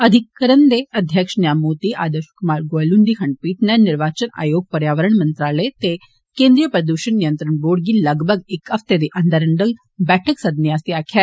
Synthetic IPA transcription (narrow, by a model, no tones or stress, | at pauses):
əd̪ʱɪkːəɾənd̪eːəd̪ʱjəkʃnɪjaːmːuːt̪iːʔaːd̪əʃkʊmaːɾɡoəlũːnd̪iːkʰəɳɖ̚piːʈnɛːnnːɪɾʋaːt͡ʃəna̰ːjoːɡ̚pəɾjaːʋəɾəɳmə̃nt̪ɾaːləet̪eː | kẽːnd̪ɾijəpɾəd̪uːʃənnɪjə̃nt̪ɾəɳboːɽɡiːləɡbʱəɡɪkəft̪eːd̪eːʔənd̪əɾəɳɖəl | bɛːʈʰəksəd̪njaːst̪iaːkʰɛː